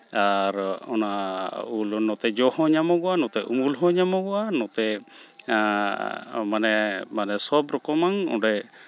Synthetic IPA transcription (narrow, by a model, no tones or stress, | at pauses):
aɾɔnaulnɔt̪ɛd͡ʒɔhɔɲamɔɡɔanɔt̪ɛʔumulɦɔɲamɔɡɔanɔt̪ɛ | manɛmanɛsɔbɾɔkɔmaŋɔ̰ɖɛ